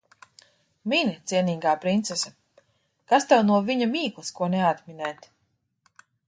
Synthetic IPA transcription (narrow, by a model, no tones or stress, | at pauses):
minit̪siɛniːɡaːpɾint̪sesa | kast̪ɛwnuɔviɲamiːklˠɨskuɔnɛat̪minɛːt̪